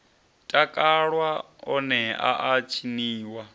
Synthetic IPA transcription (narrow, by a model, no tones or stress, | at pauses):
tʼakʼaɺwa | ɔnɛa̰ʔat͡ʃʰiniːwa